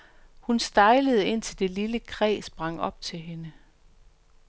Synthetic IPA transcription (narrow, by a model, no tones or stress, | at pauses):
hunsd̥ɑ̈ɪləð̞̩ˠe̝n̰t͡sʰe̝ld̥e̝liləkʰʁɛ̰ːsb̥ʁɑ̈ŋ̰ɒ̽b̥̚t͡sʰe̝lɦe̝nə